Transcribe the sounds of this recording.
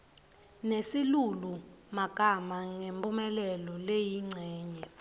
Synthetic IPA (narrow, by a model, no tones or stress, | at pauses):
nesilulumaɡ̥ʱamaŋempʼumɛlɛlɔlejiŋ͡ǀʱɛːɲɛ